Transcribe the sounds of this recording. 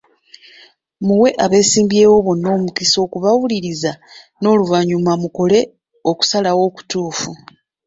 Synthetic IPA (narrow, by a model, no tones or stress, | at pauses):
muwe̞ʔaβe̞ːsiːmbje̞ːwo̞βo̞nːo̞ːmukiso̞ːkuβawuliɾiza | no̞ːluvaɲumamuko̞le̞ | o̞ku̥salawo̞ːku̥tuːfu